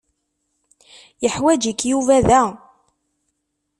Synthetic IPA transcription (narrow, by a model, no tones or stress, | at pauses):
jəħwæd͡ʒikːjuvæðæ